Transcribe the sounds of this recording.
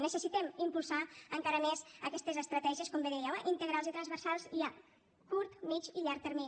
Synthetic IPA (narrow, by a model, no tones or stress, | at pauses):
nəsəsit̪ɛmimpulˠsaəŋkaɾəmezəkɛst̪ezəst̪ɾət̪ɛʒieskombeðejawəʔint̪əɣɾalˠzit̪ɾənzβəɾsalˠzia | kuɾt̪mit͡ʃiʎaɾk̚t̪əɾmin